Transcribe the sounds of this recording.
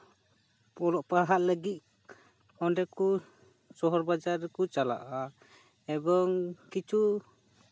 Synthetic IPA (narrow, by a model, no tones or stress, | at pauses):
ɔlɔʔpaɦat̪̚ləɡit̪̚ | ɔnɖɛku | sɔɦɔɾbad͡ʒaɾɛkut͡ʃala̰ʔa | ɛbɔŋkit͡ʃu